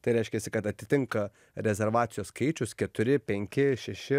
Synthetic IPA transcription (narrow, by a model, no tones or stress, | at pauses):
t̪ɐɪɾʲɛɪʃʲkʲɛsʲɪkɐt̪ɐt̪ʲɪt̪ʲɪŋkɐ | ɾʲɛzʲɛɾʋɑːt̪sʲɪjoːsskɐɪt͡ʃʲʊskʲɛt̪ʊɾʲɪpʲɛŋʲkʲɪʃʲɛʃʲɪ